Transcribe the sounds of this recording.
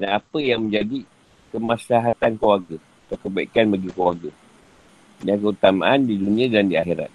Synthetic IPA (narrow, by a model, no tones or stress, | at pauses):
danapəjaŋmə̃ɲd͡ʒadi | kəmaslaɦat̪ankəwarɡa | t̪əkəbaikanbaɡikəlwarɡa | dankəut̪ama̰ʔandidunĩãdandiaxiɾa̰t̪̚